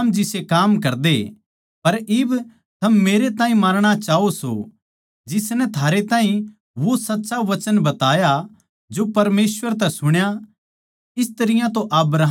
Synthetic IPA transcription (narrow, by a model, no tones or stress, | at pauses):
md͡ʒɪsekaːmk̬ɐɾd̪e | pɐɾɪb | t̪ʰɐmːeːɾet̪ãːɦĩmaːɾɽ̃at͡ʃaːoso̰ | d͡ʒɪsnɛ̃t̪ʰaːɾet̪ãːɦĩ | ʋosɐtːʃaʋɐt͡ʃənbɐt̪aːja | d͡ʒopɐɾmeːsʋəɾt̪̬ɛsʊɽ̃ja | ɪst̪ɐɾɪjãt̪̬oʔɐbɾaːɦ